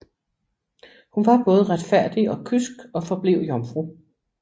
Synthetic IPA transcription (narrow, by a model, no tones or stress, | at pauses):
hunʋɑ̈b̥ɔ̽ːð̞̩ˠʁad̥fæɐ̰d̥iɒ̽kʰysɡ̥ɒ̽fɒ̽b̥leʊ̰jɒ̽mfʁu